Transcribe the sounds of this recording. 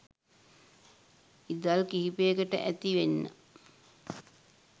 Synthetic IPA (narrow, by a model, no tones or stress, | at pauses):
id̪alkiɦipeːkəʈə̰ʔæt̪iʋenːə̰